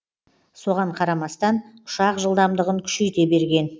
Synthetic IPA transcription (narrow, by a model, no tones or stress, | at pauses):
so̞ʁɑɴqʰɑɾɑmɑst̪ɑnʊ̥ʃɑqʒəlˠd̪ɑmd̪əʁəŋkʲʰʏ̥ʃejt̪e̞be̞ɾɡʲe̞n